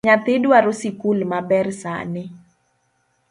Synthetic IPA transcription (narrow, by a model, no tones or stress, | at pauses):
ɲat̪ɪdwaɾosɪkulmabɛrsa̰nɪ